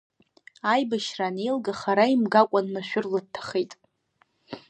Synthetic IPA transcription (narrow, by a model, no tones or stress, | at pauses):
ajbaʃranelɡaχaɾaimɡakʷʼanmaʃʷᶣʊrlɨd̚tʰːḁχejtʼ